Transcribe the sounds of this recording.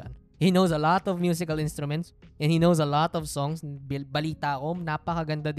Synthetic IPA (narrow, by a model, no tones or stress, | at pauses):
n | hinowsɐlɔt̪ɔvmjuːs̬ɪkɐlɪ̃nst̪ɾʊmɛnt̪sʔɛ̃nhinowsɐlɔt̪ɔvsɔŋsbɪbɐliːt̪akonapɐkɐɡɐnd̪ad̪